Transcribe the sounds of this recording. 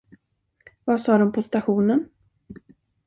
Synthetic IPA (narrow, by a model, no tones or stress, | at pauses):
vasɑːd̪ɔmpʰɔst̪aɧuːnən